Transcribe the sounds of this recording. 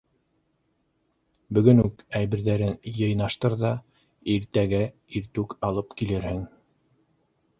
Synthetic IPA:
bɵ̆ɡɵnʉkæjβɘ̆ɾðæɾɘnjɤ̆jnɑʃt̪ɤɾðɑ | iɾt̪æɡæ | iɾt̪ʉkɑlˠɤpkilɘɾhɘŋ

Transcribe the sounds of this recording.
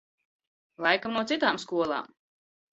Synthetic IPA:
lˠajkamnuɔsit̪aːmskuɔlˠa̰ːm

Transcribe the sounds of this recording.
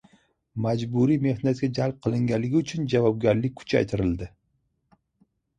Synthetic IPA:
mad͡ʒbuɾime̞hnat̪̚kʲad͡ʒalˠp̚qʰɨlˠɪŋɡʲanlːɪɡʲʊt͡ʃʰʊnd͡ʒavɒb̚ɡʲaɾlɪk̚ʲkʰʊ̥t͡ʃʰa̰jt̪ʰɪɾɪld̪ɪ

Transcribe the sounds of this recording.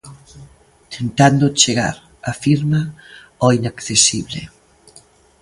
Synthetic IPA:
t̪ʰent̪and̪ot͡ʃeɣa̰ɾ | afiɾma | ɔinakθesiβlḛ

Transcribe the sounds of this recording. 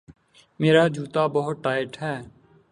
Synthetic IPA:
meːɾaːd͡ʒuːt̪aːbəɦʊt̪̚ʈaːɪʈɦɛː

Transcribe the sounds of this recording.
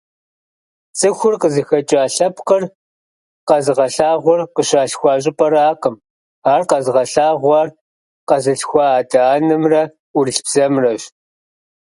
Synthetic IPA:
t͡sʼɨxʷʊrqəzɨxɐt͡ʃʼaːɬɐpqər | qɐzʁɐɬaːʁʷɔrqəɕaːɬxʷɑːɕ̬ʼɪpʼɐɾaːqəm | aːrqɐzɨʁɐɬaːʁʷɑr | qɐzɨɬxʷɑaːdaːnɨmrɐ | ʊrɬbz̥ɐmrɐɕ

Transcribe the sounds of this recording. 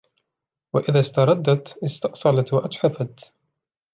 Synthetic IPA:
waʔɪðaːst̪ɑɾˤɑd̪ːat̪ʔɪst̪ɑʔsˤɑlat̪waʔat̪ħafat̪

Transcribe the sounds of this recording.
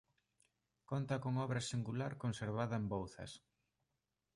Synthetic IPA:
kont̪ɐkoŋɔβɾɐsiŋɡulaɾkonseɾβaðɐembowθɐ̰s

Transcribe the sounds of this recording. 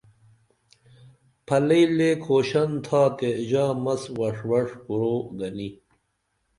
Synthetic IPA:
pʰɐlɐlekʰoːɕɐnt̪ʰaːt̪eʑaːmɐswɐʂwɐʂkuɾoɡɐni

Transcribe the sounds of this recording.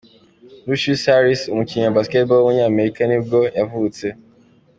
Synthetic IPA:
luʃusaɾisum̩kiɲabasket̚bɔwoɲeameɾikaniɡojavuute

